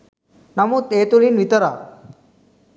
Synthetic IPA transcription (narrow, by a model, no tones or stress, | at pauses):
nɐmuːt̪et̪uɭiːnʋit̪əɾa